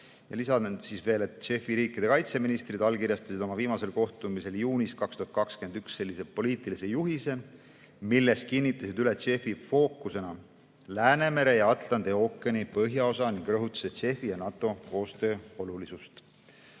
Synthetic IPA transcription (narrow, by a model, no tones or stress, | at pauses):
jɑ̰lisɑsisve̞ːlet̪ʃe̞fiɾiːkːˑid̪̥e̞kɑjt̪se̞minist̪rid̪̥ɑlkirjɑst̪ɑsid̪o̞mɑviːmɑse̞lko̞ht̪umise̞ljuːniskɑkst̪uɦɑt̪kɑkske̞nyksse̞lːise̞po̞liːt̪ˑilise̞juɦise | milːe̞skinʲːit̪ˑːɑsid̪ylet̪ʃe̞fifo̞ːkːˑuse̞nɑ | læːne̞me̞ɾe̞jɑɑt̪lɑnd̪̥eo̞kːˑenipɤɦjɑo̞sɑniŋɡ̥rɤɦut̪ːˑu̥set̪ʃe̞fijɑnɑt̪ːˑo̞ko̞ːst̪ø̞ːo̞lulisust̪